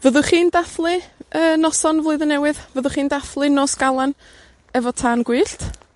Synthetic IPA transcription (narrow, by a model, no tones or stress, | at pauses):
vəðʊχiːndaθlˠɨəːnɔsɔnvlˠoɨðənɛwɨðvəðʊχiːndaθlˠɨnoːsɡ̥alˠan | ɛvɔtʰaːnɡwɨːɬt